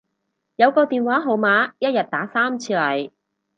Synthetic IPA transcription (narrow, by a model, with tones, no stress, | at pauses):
jɐ˨˧wkɔː˧t̪iː˨nwaː˨˥ɦo˨˩wmaː˨˥jɐ˥t̚jɐ˨t̚t̪aː˨˥saː˥mt͡sʰiː˧lɐ˨˩j